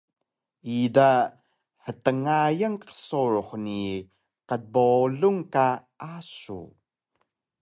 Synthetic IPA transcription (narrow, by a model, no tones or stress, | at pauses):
ʔid̪aʔ | hət̪əŋajaŋkə̥sɔɹhni | kat̪̚bɔluŋkaʔasṵ